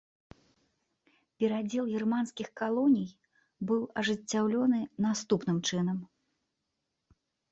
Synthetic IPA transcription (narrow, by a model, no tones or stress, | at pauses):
pʲɛɾad͡zʲɛlˠɣʲirmanskʲixkalˠɔnʲij | bɨwɐʐɨt͡sʲːawlʲɔnɨnast̪upnɨmt͡ʂɨnɐm